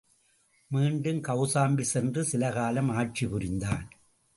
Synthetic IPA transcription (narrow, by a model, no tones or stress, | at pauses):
miːɳɖɯmkɐʊsaːmbisɛndrɯsɪlɐɣaːlɐmaːʈ̚t͡ʃipʊɾɪnd̪aːn